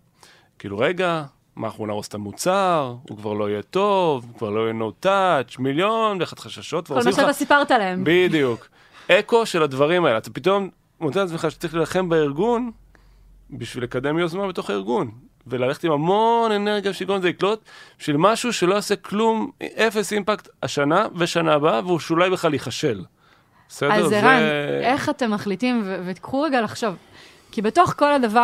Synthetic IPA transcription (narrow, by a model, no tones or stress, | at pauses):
kḭlṵʁe̞ɡa | mʔaχuna̰ʁost̪amut͡saʁṵkvaʁlo̞ijet̪o̞vkvaʁlo̞ijenot̪at͡ʃmiljo̞nleχat̪χaʃaʃo̞t̪̚kvaʁiaasipaʁt̪alaembid̪ijuk | e̞ko̞ʃe̞lad̪vaʁimaeleat̪apit̪o̞m | not͡seat͡smeχaʃtat͡sʁiχlilaχe̞mbeiʁɡun | biʃvile̞kad̪e̞mjozmanbet̪o̞χaiʁɡun | velaleχet̪imamo̞ne̞neʁɡjaʃeikomzeiklo̞t̪̚biʃvilmaʃuʃe̞lo̞oseklumʔe̞fe̞simpakt̪aʃanaveʃanaːbaveuʃulajbeχlaliχaʃe̞l | besedzezʁaeneχatemːaχlitimvevet̪i̥kχuʁeɡalaχʃav | kibeto̞χko̞ladava